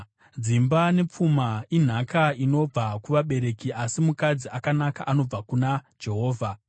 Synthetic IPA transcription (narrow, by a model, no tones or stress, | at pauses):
d͡zimbane̞p͡fumain̤akaino̞b͡vakuʋaɓe̞ɾe̞kiʔasimukad͡ziʔakanakaʔano̞b͡vakunad͡ʒe̞ɦo̞ːvʱa